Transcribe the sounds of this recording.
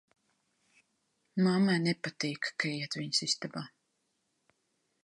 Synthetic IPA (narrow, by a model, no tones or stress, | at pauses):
mamanɛpat̪iːkkaiɛt̪viɲsist̪abaː